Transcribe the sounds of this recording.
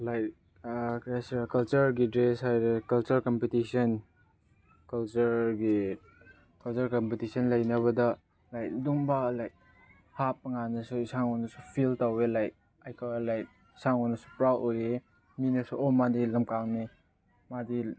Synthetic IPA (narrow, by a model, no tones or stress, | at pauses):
lajt | kjasiɾakɐlt͡ʃɐɾɡidɾeshajɾekɐlt͡ʃɐɾkɐmpitisɐn | kɐlt͡ʃɐɾɡi | kɐlt͡ʃɐɾkɐmpitisɐnlɐjnɐβɐdɐ | lajt̚duŋbalajk̚ | hap̚ːɐŋanɐsuisaŋɔnɐsupʰiltawelajt̚ | ajkʰalajt̚ | isaŋɔnɐsu̥pɾawoje | minɐsuʔɔmadilɐmkaŋni | madi